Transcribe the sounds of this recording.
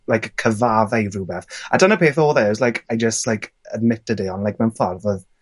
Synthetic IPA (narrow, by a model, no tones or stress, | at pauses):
lajkəkʰəvaːvajruːbɛθadənəpʰeːθɔːlˠðɛzlajkʰajd͡ʒəstlajkʰəd̚mɪtədiɔnlajk̚manfɔrðoːð